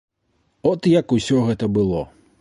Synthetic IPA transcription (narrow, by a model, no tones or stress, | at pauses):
ɔt̪jɐkusʲɔɣɛt̪ɐbɨlˠɔ